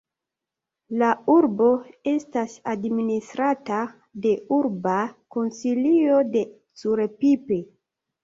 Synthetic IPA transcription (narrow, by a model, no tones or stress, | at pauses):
lauɾbo̞e̞stasadministɾata | de̞uɾbako̞nsilio̞de̞ | t͡suɾepipe̞